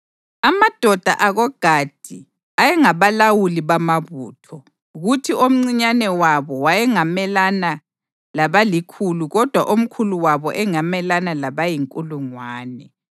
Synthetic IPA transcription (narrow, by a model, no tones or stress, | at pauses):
amad̥ʱɔd̥ʱa̰ʔaɣɔɡ̥ʱad̥ʱi | ajɛŋaβalawuliβamaβuːtʰɔ | ɣutʰiom̩ŋ͡ǀiɲanɛwaβɔwajɛŋamɛlana | laβalikʰuluɣɔd̥ʱwa̰ʔom̩kʰuluwaβɔʔɛŋamɛlanalaβajiŋkʼuluŋwaːnɛ